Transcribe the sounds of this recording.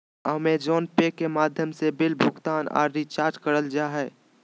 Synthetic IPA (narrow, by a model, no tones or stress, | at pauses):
əmed͡ʒɔːnpekemaːd̪ʱjəmsebɪlbʱʊɡt̪aːna̰ːɾɾit͡ʃaːɾt͡ʃkəɾəld͡ʒaːɦɛː